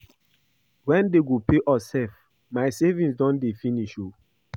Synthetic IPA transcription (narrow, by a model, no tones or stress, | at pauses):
wɛ̃ndeɡopeʔɔsɛlf | maɪsevĩnsdɔ̃ndefiniʃo